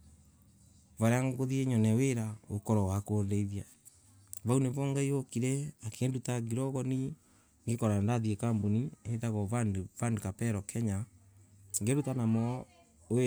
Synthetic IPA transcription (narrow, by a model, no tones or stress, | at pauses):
vaɾeaŋɡoðieɲɔnɛweɾaokɔɾɔwakoðeiðia | βauneβɔŋɡaiokiɾɛakʰendutaɡiɾɔɣɔni | ŋɡekɔɾandaðiekambonieitaɣɔavandokapɛɾɔkʰɛɲa | ŋɡeɾutanamɔ